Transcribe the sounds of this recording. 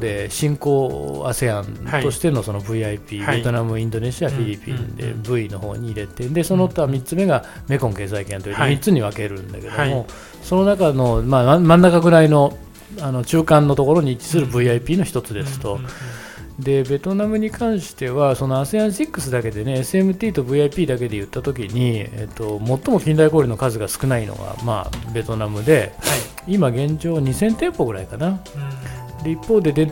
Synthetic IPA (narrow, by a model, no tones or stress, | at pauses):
d̪e̞ɕĩŋko̞ːa̰se̞ãnt̪o̞ɕi̥t̪e̞no̞so̞no̞bɯ̟iaipʲie̞t̪o̞namɯ̟ĩnd̪o̞ne̞ɕiaɸʲiɾʲipʲḭ̃nd̪e̞̰bɯ̟ino̞ho̞̰ːɲ̟iːɾe̞t̪ed̪e̞so̞not̪ːoβamʲitt͡sɨme̞ɡa | me̞kõ̞ŋke̞ːsaikẽ̞nt̪oiemʲitt͡sɨɲ̟iβake̞ɾɯ̟̃nd̪a̰ke̞d̪o̞mo̞ | so̞no̞nakano̞maamãnːakaɡɯ̟ɾaino̞ | ano̞t͡ɕɨːkãnːo̞t̪o̞ko̞ɾo̞ɲ̟iːt͡ɕi̥t͡sɨɾɯ̟bɯ̟iaipʲiːno̞çi̥t̪o̞t͡sɨd̪e̞sɨ̥t̪o̞ | d̪e̞be̞t̪o̞namɯ̟ɲ̟ikãɰ̃ɕi̥t̪e̞βaso̞no̞aseãɰ̃ɕikːɯ̥sɨd̪ake̞d̪e̞neːsɨe̞mɯ̟t̪ʲiːt̪o̞bɯ̟iaipʲiːd̪ake̞d̪e̞jɯ̟t̪ːat̪o̞kʲiɲ̟iḛt̪ːo̞mo̞t̪ːo̞mo̞kʲĩnd̪aiko̞ːɾʲino̞kazɨɡasɨ̥kɯ̟naino̞̰ɡa̰ma̰ːbe̞t̪o̞namɯ̟d̪e̞imaɡẽ̞ɲ̟d͡ʑo̞ːɲ̟isẽ̞nt̪ẽ̞mpo̞ɡɯ̟ɾaikana | d̪e̞ipːo̞ːd̪e̞d̪ẽ